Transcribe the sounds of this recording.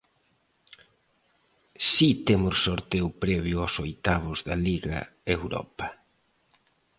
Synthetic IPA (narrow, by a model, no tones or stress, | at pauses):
sit̪emʊssoɾt̪ewpɾɛβ̞jʊasojt̪aβʊzðɐliɣɐ̰ewɾɔ̰pɐ